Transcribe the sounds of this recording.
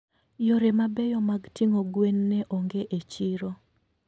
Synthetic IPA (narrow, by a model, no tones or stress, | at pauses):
joɾemabɛjɔmaɡtiŋoɡwenːɛʔoŋɡeʔet͡ʃiɾo